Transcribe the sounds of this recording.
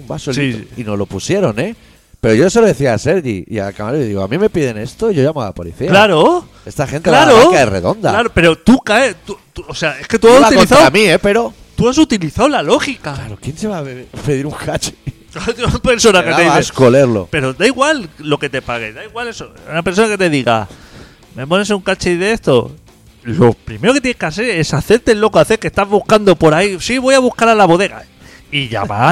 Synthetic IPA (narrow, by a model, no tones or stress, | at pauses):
umbasoliino̞zlo̞pusje̞ɾo̞ne̞ | pe̞ɾoʝoeseloðe̞θiaːse̞ɾɣḭia̰lkamaloeðiɣo̞a̰mĩme̞piðe̞ne̞st̪oiʝo̞ʝamalapo̞lḭθilaɾo | e̞st̪axe̞nt̪elaɾokaere̞̰ðo̞nd̪a̰laɾope̞ɾo̞t̪ukaet̪ut̪oseae̞sket̪uasulat̪ikoiθawamiepe̞ɾo̞ | t̪uas̬ut̪iliθawlalo̞xikaklaɾokje̞nseβaepeðiɾuŋkʰat͡ʃe̥klaɾot̪ipe̞ɾso̞naket̪eðieskoleɾlo̰pe̞ɾo̞d̪aiɣwalːo̞ke̞t̪epaɣe̞̰ðaiɣwale̞sounapeɾso̞nake̞t̪e̞ðiɣa̰ | me̞po̞ne̞s̬euŋkat͡ʃeðe̞st̪o̞ | lo̞pɾime̞ɾo̞ke̞t̪jenekaseɾe̞saθe̞ɾt̪e̞lo̞koaθe̞ɾke̞st̪azβuhkand̪o̞po̞ɾaisiβo̞jaβ̞uhkaɾalaβo̞ðe̞ɣa̰ | iʝa̰ma